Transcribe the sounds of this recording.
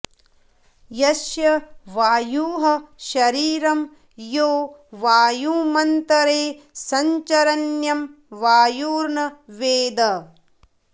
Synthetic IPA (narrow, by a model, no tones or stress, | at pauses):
jɐʃjɐʋaːjuːɦɐʃɐɾiːɾɐm | joːʋaːjuːmɐnt̪ɐɾeː | sɐɲt͡ʃɐɾɐnjɐm | ʋaːjuːɾɳɐʋeːd̪ɐ